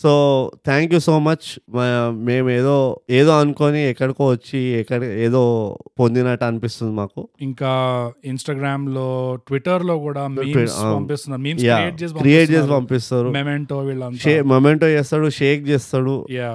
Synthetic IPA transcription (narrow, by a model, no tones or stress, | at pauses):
soːt̪ʰaːŋkjuːsoːmɐt͡ʃmme̞ːmeːd̪oːeːd̪oːɐnukoniɛkːɐɽikoʋɐt͡ʃːiɛkːɐɽieːd̪o̞ːpond̪inaːʈɐɐnipist̪und̪imaːkuiŋkaːinsʈaːɡɾaːmloːʈʋiʈːɐɾloːkuːɽaːmiːɐpist̪und̪aːmiːnjaːeːd͡ʒeːs̬ipɐkɾieːʈ̚t͡ʃeːsipɐmpist̪aːɾumemeɳʈoːʋiːɭːɐntʃeːmɐmeɳʈoːt͡ʃɛːst̪aːɽuʂeːk̚t͡ʃeːst̪aːɽṵjaː